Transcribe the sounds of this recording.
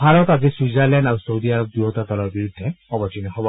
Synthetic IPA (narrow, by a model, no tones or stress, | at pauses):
baɹɔkazisuzalɛ̃ndausowdiaɹɔk̚d̪uɦɔt̪at̪ɔlɔɹbiɹud̪ʱːɛɔbɔtinɛhɔbɔ